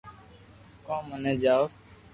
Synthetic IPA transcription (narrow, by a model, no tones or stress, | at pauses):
kõːməneːd͡ʒaːo